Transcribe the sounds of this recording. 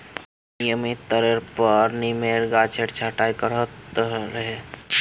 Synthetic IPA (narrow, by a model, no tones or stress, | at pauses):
nijəmit̪əɾeɾpəɾnimeɾɡat͡ʃʰeʈt͡ʃʰaʈaːikəɾət̪ɾəɦe